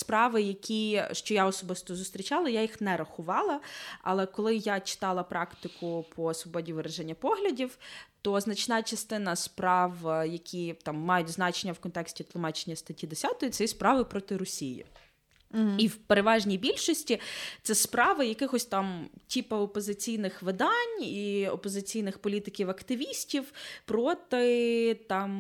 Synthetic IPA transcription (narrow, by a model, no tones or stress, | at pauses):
spɾɑʋɪjɐkʲʰiʃt͡ʃɔjaɔsɔbɪst̪ɔzʊst̪ɾʲit͡ʃɑlˠɐjajixnɛɾɐxʊʋɑlˠɐɐ̰lˠɛkɔlˠɪjat͡ʃɪ̥t̪ɑlˠɐpɾɑkt̪ɪkʰʊpʰɔsʋɔbɔdʲiʋɪɾɛʒɛnʲːɐpɔɦlʲɐdʲiwt̪ɔznɐt͡ʃnɑt͡ʃɐst̪ɪnɐspɾɑwjɐkʲʰit̪ɑmːɑjʊtʲznɑt͡ʃenʲːɐwkɔnt̪ɛksʲtʲit̪lˠʊmɑt͡ʃe̥nʲːɐst̪ɐtʲid̪esʲɑt̪ɔjʊtsɛjispɾɑʋɪpɾɔt̪ɪɾɔsʲijḭ | iwpeɾeʋɑʒnʲijbʲilʲʃɔsʲtʲit̪sɛspɾɑʋɪjɐkɪxɔsʲt̪ɑmtʲipɐɔpɔzɪt͡sʲijnɪxʋɪd̪ɑnʲiɔ̰pɔzɪt͡sʲijnɪxpɔlʲit̪ɪkʲiwɐkt̪ɪʋʲisʲtʲiwpɾɔt̪ɪt̪ɑm